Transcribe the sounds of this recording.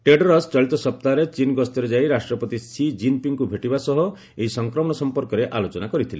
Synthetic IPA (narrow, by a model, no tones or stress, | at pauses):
ʈeɖɔɾɔsʈɔjlt̪ɔsɔp̚t̪aɾet͡ʃinɡɔst̪ɔɾed͡ʒajɾasʈɾɔpɔt̪isid͡ʒinpiŋkubʱeʈibasɔɦɔ | eɦisɔŋkɾɔmɔɽ̃ɔsɔmpɔɾkɔɾeʔalot͡ʃɔnakɔɾit̪ʰile